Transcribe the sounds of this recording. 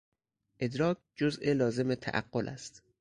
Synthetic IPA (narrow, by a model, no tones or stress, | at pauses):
ʔe̞d̪ɾɒːk̚ʰ | d͡ʒozʔelɒːze̞met̪ʰæ̰ʔæ̰ɢːolʔæ̰st̪